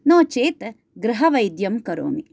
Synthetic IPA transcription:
noːt͡ʃeːt̪ | ɡɾɐɦɐʋɐjd̪jɐmkɐɾo̰ːmi

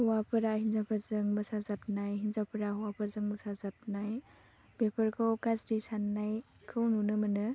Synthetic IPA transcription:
huwapʰɯɾahinzapʰəɾzɯŋmɯsazap̚najɦinzapʰɯɾahuwapʰəɾzɯŋmɯsazap̚naj | b̥epʰəɾkʰawkazɾisanːaj | kʰɯwnunɯmɯnɯ

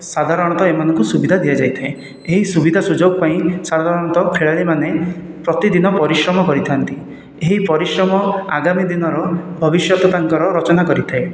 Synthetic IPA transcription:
sad̪ʱaɾɔɽ̃ɔt̪ɔemanɔŋkusubid̪ʱad̪iad͡ʒajt̪ʰae | eɦisubid̪ʱasud͡ʒoɡpaĩsad̪ʱaɾɔɽ̃ɔt̪ɔkʰeɭaɭimane | pɾɔt̪id̪inɔpɔɾisɾɔmɔkɔɾit̪ʰant̪i | eɦipɔɾisɾɔmɔa̰ɡamid̪inɔɾɔbʱɔbisjɔt̪ɔt̪aŋkɔɾɔɾɔt͡ʃɔnakɔɾit̪ʰae

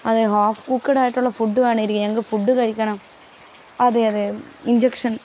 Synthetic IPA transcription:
ɐðɯɦaːfkuːkːɐɽaːjɪʈːɔlːɐfʊɖːɯʋeːɳɐɪɾɯkːɐɛŋɡɐfʊɖːɯkɐɾɪkːɐɳɐ̃ | ɐðɯɐðɯɪnd͡ʒɛkʂɐn

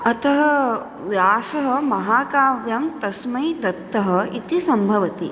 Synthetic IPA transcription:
ɐt̪ɐɦɐ | ʋjaːsɐɦɐmɐɦaːkaːʋjɐmt̪ɐsmɐjd̪ɐt̪ːɐɦɐit̪isɐmbʱɐʋɐt̪i

